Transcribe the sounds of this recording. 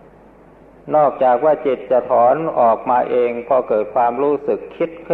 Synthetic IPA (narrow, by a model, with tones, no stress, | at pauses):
nɔː˥˩k̚t͡ɕaː˨˩k̚waː˥˩t͡ɕi˨˩t̪̚t͡ɕa˨˩t̪ʰɔː˩˦nʔɔː˨˩k̚maː˧ʔeː˧ŋpʰɔː˧kɤː˨˩t̪̚kʰwaː˧mɾuː˦˥sɯ˨˩kʰːi˦˥t̪̚kʰ